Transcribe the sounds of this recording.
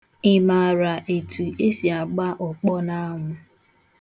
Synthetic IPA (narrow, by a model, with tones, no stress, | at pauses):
ɪ˨ma˨ɾa˨ʔe˨tu˨ʔe˦si˨a˨ɡ͡ba˦ʔʊ˨k͡pɔ˦na˦ɦʊ˦